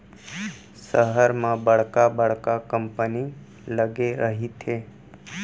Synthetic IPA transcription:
səɦəɾmãbəɭkabəɭ̤kakəmpəni | ləɡeɾəɦit̪ʰe

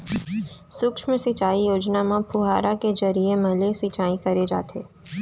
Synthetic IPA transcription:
sʊkʃmẽsit͡ʃaːijoːd͡ʒnamãpʰʊɦaːɾaked͡ʒɐɾiemɐlesit͡ʃaːĩkɐɾed͡ʒa̰ːt̪ʰḛː

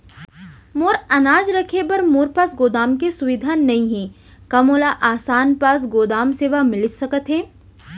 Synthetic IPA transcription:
moːɾɐnaːd͡ʒɾɐkʰepɐɾmoːɾpasɡoːd̪aːmkesʊʋɪd̪ʱaːnnːɐɦĩɦɛ̃ | kɐmoːlaʔaːsaːnpas̬ɡoːd̪aːmseːʋamɪlɪd͡ʒsɐkət̪ɦɛ̃ː

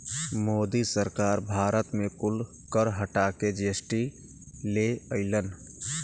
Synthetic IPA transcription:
mod̪isəɾkaɾbʱaɾət̪mekul | kəɾɦəʈaked͡ʒesʈi | leəɪlən

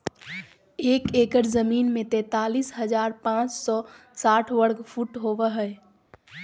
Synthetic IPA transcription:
eːkeːkəɾzəmiːnmẽt̪ɛ̃ːt̪aːliːsɦəd͡ʒaːɾpãːt͡ʃsɔ | saːʈʰwəɽɡpʰuʈɦoʋəɦəe

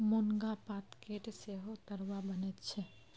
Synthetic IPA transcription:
moŋɡapat̪keʈseɦot̪əɾwabənet̪t͡ʃʰɛ

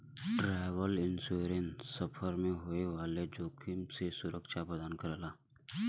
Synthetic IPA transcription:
ʈɾɛːʋəlɪnsuɾensɐpʰəɾmẽɦoːeʋaːled͡ʒoːkʰɪmsesʊɾəkʃabəd̪aːnkəɾlaː

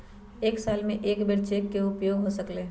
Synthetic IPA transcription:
eːksaːlmẽʔeːkbeɽt͡ʃekːeʊpjoːɡɦosəkleː

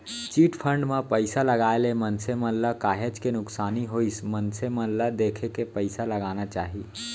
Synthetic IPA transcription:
t͡ʃiʈpʰəɳɖmepəɪsaləɡaelemənseməlləkaɦed͡ʒkenʊksaːniɦoismənseməlːəd̪ekʰekepəɪsaləɡanat͡ʃaːɦi

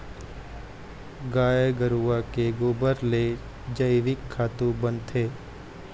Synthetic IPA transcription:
ɡaːjeɡəɾuːakeɡoːbəɾle | d͡ʒəɪʋɪkʰːaːt̪ũbə̃nt̪ʰeː

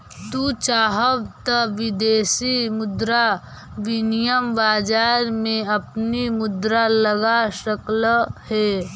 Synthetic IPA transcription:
t̪ut͡ʃaːɦəʋt̪əʋɪd̪eːsimʊd̪ɾa | ʋɪnijəmbaːd͡ʒaːɾmẽɐpnimʊd̪ɾaləɡaʃəkləhɛː

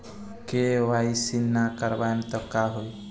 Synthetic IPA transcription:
keʋaisinːakəɾbant̪ɔkaɦoj

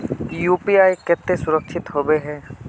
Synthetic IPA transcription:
juːpiaːjkɛːt̪ːesʊɾəkʃʰɪt̪ɦoːbeɦɛː

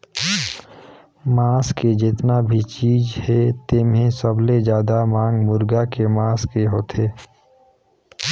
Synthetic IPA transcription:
maːsked͡ʒɪt̪nabʱit͡ʃiːd͡ʒhɛt̪eːmɦẽsəbled͡ʒjaːd̪amãːŋɡmʊɾɡakemãːskeɦoːt̪ʰeː

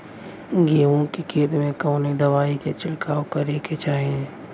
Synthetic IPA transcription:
ɡeːʋõkikʰeːt̪mẽkəːned̪əʋaːiket͡ʃɪlkaːokɐɾeːket͡ʃaːɦẽ

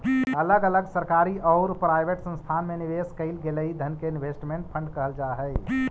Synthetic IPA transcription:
ələɡələɡsəɾkaɾiɔʊɾpɾajbʱeʈsə̃nst̪ʰanmeniʋeskəɪlɡeləɦid̪ʱənkeinbʱesʈimeɳʈ̚pʰə̃ɳɖkəɦəld͡ʒaɦɛj

